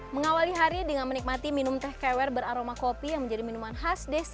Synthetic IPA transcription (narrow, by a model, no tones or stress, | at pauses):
məŋawaliɦaɾidəŋanmənik̚mat̪iminumt̪ɛhkɛwɛrbəɾaɾomakopijaŋməɲd͡ʒadiminumanɦasdes